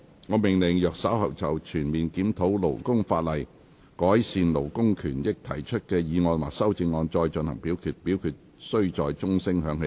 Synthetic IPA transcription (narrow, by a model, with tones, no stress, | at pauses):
ŋɔː˨˧mɪ˨˩ŋlɪ˨˩ŋjœː˨k̚sɐ˨˥whɐ˨˩wt͡sɐ˨wt͡ʃʰyː˨˩nmiː˨nkiː˨˥mt̪ʰo˨˥wlo̰˨˩wkʊ˥ŋfa̰ː˧t̚lɐ˨˩j | kɔː˨˥jsiː˧nlo˨˩wkʊ˥ŋkʰyː˨˩njɪ˥k̚t̪ʰɐ˨˩jt͡ʃʰɵ˥t̚kɛː˧jiː˨˧ŋɔː˧nwa̰ː˨˩k̚sɐ˥wt͡sɪ˧ŋːɔː˧nt͡ʃɔː˧jt͡ʃɵ˧nhɐ˨˩ŋpiː˨˥wkʰyː˧t̚pi˨˥wkʰyː˧t̚ | sɵ˥ɥt͡sɔː˨jt͡sʊ˥ŋsɪ˥ŋɦœː˨˧˥ŋhe˨˧˥